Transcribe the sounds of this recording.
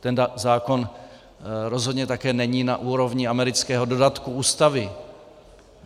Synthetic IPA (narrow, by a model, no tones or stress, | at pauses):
t̪ɛnzaːko̞n | ɾo̞zɦo̞d̪ɲɛt̪akɛːnɛɲiːna̰ʔuːɾo̞vɲɪamɛɾɪt͡skɛːɦo̞do̞dat̪kuuːst̪avɪ